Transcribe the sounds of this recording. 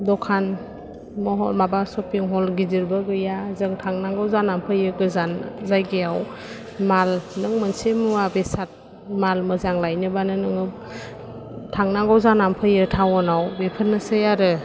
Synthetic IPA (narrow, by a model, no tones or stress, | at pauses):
dɔkʰan | mɔɦɔmabasɔpiŋɦɔlɡidiɾbɯɡɯjazɯŋtʰaŋnaŋɡawzanampʰɯjɯɡɯzanzajɡejaw | malnɯŋmɯnsemabesat̚ | malmɯzaŋlajnɯbanɯnɯŋɯ | tʰaŋnaŋɡawzanampʰɯjɯtʰaŋɔnawbepʰɯnːɯsɯjaɾɯ